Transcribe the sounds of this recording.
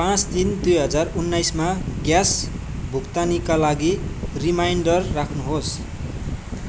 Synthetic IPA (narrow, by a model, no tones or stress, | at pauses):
pãt͡sd̪ind̪ujɦʌd͡zarunːajsmaɡjasbʱukt̪anikalaɡirimajɳɖʌrːakʰnuɦos